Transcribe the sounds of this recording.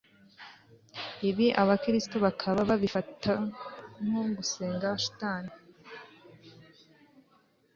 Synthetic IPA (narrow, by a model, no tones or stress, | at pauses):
iβiʔaβakɾistoβakʰaβaβaβifataŋoɡuseːŋɡaʃu̥taːni